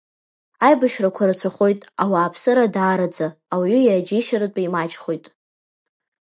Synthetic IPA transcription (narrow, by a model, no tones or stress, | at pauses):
ajbaʃrakʷʰaɾɨt͡ɕʷʰaχo̞jtʼawaːpʰsɨɾadaːɾad͡zaːwɥʏjad͡ʒiʃaɾɨtʷʼajmat͡ʃʼχo̞jtʼ